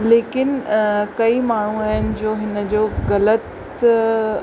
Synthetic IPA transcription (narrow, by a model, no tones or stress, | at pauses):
leːkɪnkɐimaːɳ̤uaːɦənɪ̆d͡ʑoːɦɪnə̆d͡ʑoːɣɐlət̪